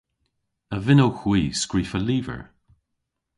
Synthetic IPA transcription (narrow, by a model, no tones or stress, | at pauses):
əvɪnowxw̥iːskɹiːfəliːvə̰ɹ